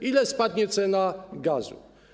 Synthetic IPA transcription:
ilɛspɑt̪ɲɛt͡sʰɛnɑɡɑzṵ

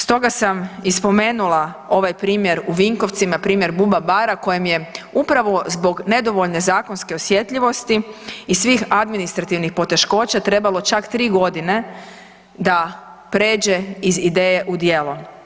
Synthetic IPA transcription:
st̪o̞ɡasamispo̞me̞ːnulˠa | o̞ʋajpɾiːmjeɾuʋiŋkoʋt̪simapɾiːmje̞ɾbubabaɾako̞jemje̞upɾaʋo̞zbo̞ɡne̞d̪o̞ʋo̞ʎne̞zaːko̞nske̞osje̞t̪ʎiʋo̞st̪iisʋiːxad̪minist̪ɾat̪iʋnixpo̞t̪e̞ʃko̞ːt͡ɕat̪ɾe̞balo̞t͡ʃakt̪ɾiːɡo̞d̪ine̞ | d̪a | pɾe̞ːd͡ʑe̞izid̪e̞ːje̞ʔud̪je̞ːlu

